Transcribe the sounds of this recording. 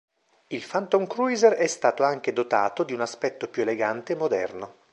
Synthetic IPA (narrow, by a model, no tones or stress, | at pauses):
ilfant̪oŋkɾujzerɛst̪aːt̪oaŋk̟ed̪ot̪a̰ːt̪od̪iunaspɛt̪ːopjueleɡant̪eːmːod̪ɛ̰rno